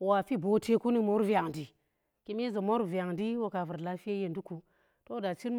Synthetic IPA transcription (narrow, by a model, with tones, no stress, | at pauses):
wa˨fi˦bo˨te˦ku˦ni˨mo˦ɾvi˦a˨ŋdi˨ | ki˦me˦zo˨mo˦ɾva˨ŋdi˦wo˦ka˨vu˨ɾla˦fi˦e˦je˨ndu˦ku˨ | to˦da˨t͡ʃi˦n˦